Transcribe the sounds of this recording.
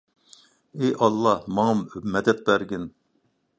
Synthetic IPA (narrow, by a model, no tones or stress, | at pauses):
eʔɑlˠːɑhmɑŋɑmmɛd̪ɛt̪̚bæɾɡʲin